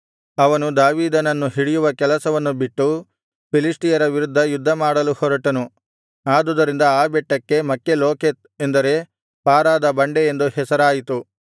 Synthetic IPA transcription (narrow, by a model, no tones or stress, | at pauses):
ɐʋɐnud̪aːʋiːd̪ɐnɐnːuɦiɽijuʋɐkɛlɐsɐʋɐnːubiʈːu | pilisʈijɐɾɐʋiɾud̪ʱːɐjud̪ʱːɐmaːɽɐluhɔɾɐʈɐnu | aːd̪ud̪ɐɾind̪ɐaːbɛʈːɐkːe̞mɐkːeloːket̪end̪ɐɾe̞ | paːɾaːd̪ɐbɐɳɖeend̪uhɛsɐɾaːjit̪u